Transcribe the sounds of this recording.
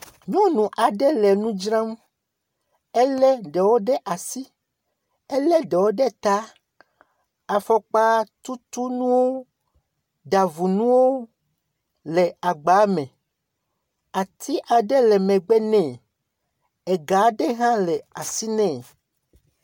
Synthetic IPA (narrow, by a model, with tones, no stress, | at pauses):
ɲɔ̃˦nũ˨ʔa˨ɖɛ˦lɛ˨nũ˦d͡ʒɾã˦m | ɛ˦lɛ˦ɖɛ˨wo˦ɖɛ˦ʔa˨si˦ | ɛ˦lɛ˦ɖɛ˨wo˦ɖɛ˦t̪a˦ | a˨fɔ˦k͡pa˦t̪u˦t̪u˦nũ˦wo˦ | ɖa˨vu˨nũ˦wo˦ | lɛ˨a˨ɡ͡ba˨˦mɛ̃˨ | a˨t̪ʰi˦ʔa˨ɖɛ˦lɛ˨mɛ̃˨ɡ͡bɛ˦nɛ̃˦˨ | ɛ˨ɡa˨˦ɖɛ˦ɦã˦lɛ˨a˨si˦nɛ̃ː˦˨